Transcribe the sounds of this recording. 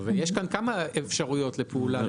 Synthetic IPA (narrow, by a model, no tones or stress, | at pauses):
vejeʃkankamaefʃaʁujo̞tlepeula